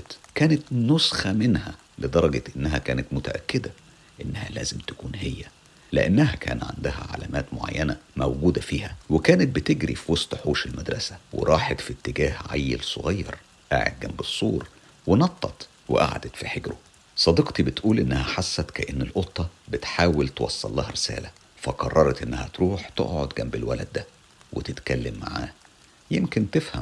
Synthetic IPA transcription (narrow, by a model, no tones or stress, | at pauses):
t̪kæːnet̪nosxæmɪnhæ̰ | led̪ˤɑɾˤɑɡɑʔenːæɦækæːnæt̪mʊt̪æʔækːed̪æ | ʔenːæhæ̰læ̰ːzɪmt̪æ̥kuːnhejːæ | lɪʔænːæɦækæ̰ːnʕa̰nd̪æhæ̰ʕa̰læːmæːt̪moʕa̰jːænæmæwɡuːd̪æfiːhæwekæːnet̪̚bɪt̪eɡɾḭfwost̪ħuːʃelmæd̪ɾˤɑsæ̥wʔḛɾˤɑːħed̪fit̪ːɪɡæːhʕa̰jːḛlsˤoɣɑjːɑ̰ɾˤ | ʔa̰ʕḛd̪̚ɡæmbɪsˤːuːɾ | wenɑt̪ˤːɑt̪ | weʔa̰ʕa̰d̪æt̪fiħeɡɾo̰ | sˤɑd̪eqt̪ibet̪ʔuːlʔenːæhæħasːæt̪kæʔenːelʔot̪ˤːɑbet̪ħaːwelt̪ewɑ̰sˤːɑ̰lːɑhɑɾɪsæ̰ːlæ | fæqɑrˤːɑɾˤɑt̪ʔenːæhæt̪ɾuːħt̪o̰ʔʕod̪ɡæmbɪlwælæd̪̚ːæ | wḛt̪ɪt̪kælːemːa̰ʕa̰ː | jemkent̪efhæm